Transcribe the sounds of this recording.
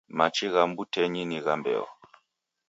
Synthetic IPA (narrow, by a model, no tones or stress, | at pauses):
mat͡ʃiɣambutɛɲiniɣambɛ̰ɔ̰